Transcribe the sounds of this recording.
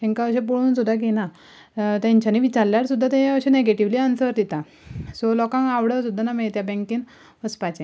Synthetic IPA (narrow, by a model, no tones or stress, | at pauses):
ĩŋkaəɕẽp̬oɭuːnsud̪ʱːak̬ena | t̪ãɲt͡ɕjaniʋit͡ɕaɾljaɾsud̪ʱːat̪ẽaəɕẽneɡeʈiʋliːansəɾd̪it̪a | sɔlɔkãŋaʋɽəsud̪ʱːanameɭet̪jabɛ̃ŋkĩn | ʋəspat͡ɕe